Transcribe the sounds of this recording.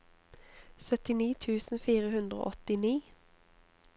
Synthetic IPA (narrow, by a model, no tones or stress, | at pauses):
sœt̪ɪniːt̪ʰʉːsn̩fiːʁəhʉnd̪ʁəo̰ʔɔt̪ɪniː